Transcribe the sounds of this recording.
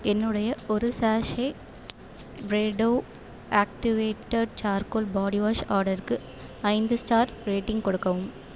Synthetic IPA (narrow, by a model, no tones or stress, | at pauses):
ɛnːɯɽɐjɐɔɾɯsaːʂɐɪ | bɾeːɖoː | aːk̚ʈɪʋeːʈːɐɖ̚t͡ʃaːɾkolbaːɽiʋaːʂaːɾɽɐɾkɯ | ɐɪnd̪ɯsʈaːɾɾeːʈːɪŋɡkɔɽɯkːɐʋɯm